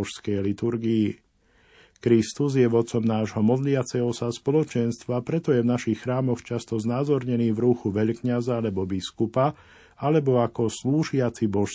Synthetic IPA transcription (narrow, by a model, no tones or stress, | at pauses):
ʃskɛjlit̪uɾɡiː | kɾist̪uzjɛʋɔt̪t͡sɔmnaːʒɦɔmɔd̪lɪat͡sɛɦɔsaspɔlɔt͡ʃɛnst̪ʋapɾɛt̪ɔjɛvnaʃixxɾaːmɔxt͡ʃast̪ɔznaːzɔɾɲɛniːvɾuxuʋɛʎkɲazaalɛbɔbiskupa | alɛbɔakɔsluːʒɪat͡sibɔʃ